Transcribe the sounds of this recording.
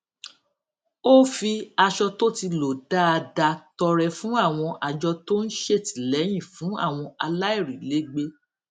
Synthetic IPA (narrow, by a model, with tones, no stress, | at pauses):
o˦fi˧a˧ʃɔ˧to˦ti˧lo˨da˦a˧da˧tɔ˧ɾɛ˧fũ˨˦a˦˨w̃ɔ̃˧ʔa˧d͡ʒɔ˧to˦n̩˦ʃe˦˨ti̥˨lɛ˨˦j̃ĩ˦˨fũ˨˦a̰˦˨w̃ɔ̃˧a˧la˦i˦˨ɾi˨le˨˦ɡ͡be˧˦